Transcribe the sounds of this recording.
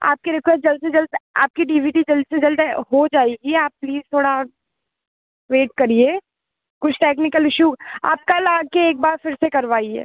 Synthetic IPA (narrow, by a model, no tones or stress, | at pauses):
a̰ːp̚keɾɛkʋɛt̪̚d͡ʒɐld̪sed͡ʒɐld̪a̰ːp̚kiɖiːʋiːɖid͡ʒɐld̪sed͡ʒɐld̪ɦod͡ʒaːeːɡiɛaːp̚ːliːzt̪ʰoːɽa | ʋeːʈ̚kɐɾieː | kʊt͡ʃʰʈeːknɪkəlɪʃua̰ːp̚kalaːɡ̚keeːk̚baːɾfɪɾsekɐɾʋaːiɦɛ̰ː